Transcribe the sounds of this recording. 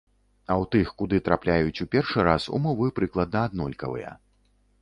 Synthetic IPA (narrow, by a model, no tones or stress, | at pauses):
ɐwt̪ɨxkud̪ɨt̪ɾaplʲajut͡sʲupʲɛrʂɨɾasṵmɔvɨpɾɨklˠɐd̪̚nɐːd̪̚nɔlʲkɐ̰vɨ̰jɐ̰